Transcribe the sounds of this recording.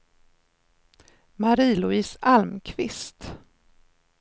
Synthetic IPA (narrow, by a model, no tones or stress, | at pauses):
maɾiːlʊiːsalmkʰvɪst̪